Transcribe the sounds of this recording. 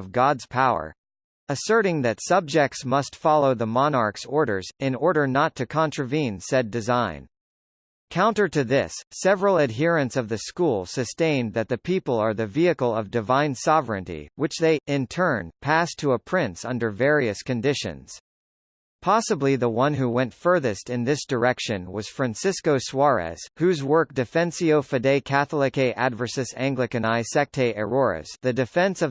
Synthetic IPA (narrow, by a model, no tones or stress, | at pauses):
ʌvɡɑdz̥pʰaʊə̰˞ | əsɜ˞ɾɪ̃ŋðɨtsʌb̚d͡ʒɛk̚tsmʌstfɑlˠoʊðəmɑnɑɹksɔɹɾə̰˞zɪ̃nɔɹɾə˞nətʰɨkʰɑ̃nt͡ʃɹ̥ɨvĩnsɛdɨzãɪ̃n | kʰãʊ̃ntə˞ɾɨðɪ̰sːɛvɹl̩ˠɨd̚ɦɪɹɨ̃nsʌvðɨskulˠsɨstẽɪ̃nðɨt̪̚ðɨpʰipl̩ˠə˞ðɨviɨkl̩ˠʌvdɨvãɪ̃nsɑvɹɨ̰̃ntḭwɨt͡ʃðeɪʔɪ̃ntʰɜ̃˞npʰæstʰəəpʰɹ̥ɪ̃nsʌ̃ndə˞vɛɹiɨskɨ̃ndɪʃɨ̰̃nz̥ | pʰɑsəbliðəwʌ̃nɦuwɛ̃ntfɜ˞ðɨstɨ̃nðɪsd̥ə˞ɛkʃɨ̃nwʌz̥fɹæ̃nsɪskoʊswɑɹɛ̰z̥hʉzwɜ˞k̚d̥ɨfɛ̃nsioʊfɨdeɪkʰæθl̩ˠɨkeɪʔædvə˞sɨsæ̃ŋɡlɨkɨ̃naɪsɛk̚tʰeɪʔɛɹɔɹɨ̰sðɨdɨfɛ̃nsʌ